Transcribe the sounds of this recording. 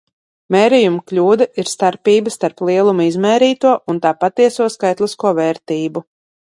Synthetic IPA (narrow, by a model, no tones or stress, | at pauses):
mɛːɾɛjumklʲuːd̪ɐʔiɾst̪aɾpiːbəst̪aɾplˠiɛlˠumuizmɛːɾiːt̪uɔʔunt̪aːpat̪iɛsuɔskajt̪lˠiskuɔvɛːɾt̪iːbu